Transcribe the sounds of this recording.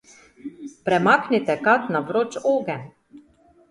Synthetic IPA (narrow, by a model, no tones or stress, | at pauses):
pɾɛmaːknit̪ɛkat̪naʋɾot͡ʃoːɡɛn